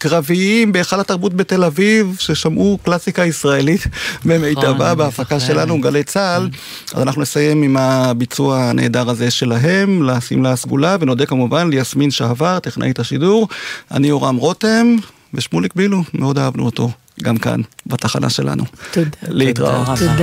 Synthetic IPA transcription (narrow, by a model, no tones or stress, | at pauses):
kʁaviimbeːχalhat̪aʁbut̚bete̞lavivʃe̞ʃamʔuklasikaisʁae̞lit̪bemejtavabeafakaʃe̞lanuɡalejt͡sal | a̰zanaχnunesaje̞mimabit͡suaane̞̰ːd̪aʁaze̞ʃe̞laɦe̞mlasḭmlasɡulaveno̞de̞kamuvanlejasminʃeavaʁt̪iχnʔḛjet̪aʃiduʁa̰nioʁamʁote̞m | veʃmulik̚bilumeo̞daavnṵoto̞ | ɡamka̰nbat̪aχana̰ʃe̞̰lʔa̰nṵleitʁa̰ott